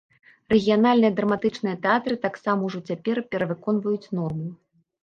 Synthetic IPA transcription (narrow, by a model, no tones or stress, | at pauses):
rɛɣʲijanalʲnɨjɐd̪ɾɐmat̪ɨt͡ʂnɨjɐt̪ɛat̪ɾɨt̪aksamɐwʐɔt͡sʲapʲɛrpʲɛɾɐvɨkɔnvɐjut͡sʲnɔrmu